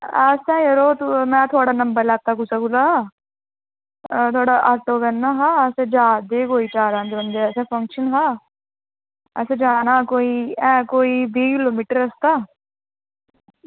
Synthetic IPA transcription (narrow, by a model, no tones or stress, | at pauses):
əsɛ̃ːjəɾoːt̪mɛ̃ːt̪ʰʊaːɽaːnɐmbəɾlɛːk̚t̪aːkusakula | t̪ʰʊaːɽaːʔaːʈoːbɛnːaːɦaːɛsẽːd͡ʒaːd̪eːkoːiːt͡ʃaːɾãːd͡ʒ̪eʋənd̪eɛːsɛ̃ːpʰəŋkʃənɦaː | ɛːsẽd͡ʒaːnãːkoːiːɛ̃ːkoːiːbiːkɪloːmiːʈəɾəst̪aː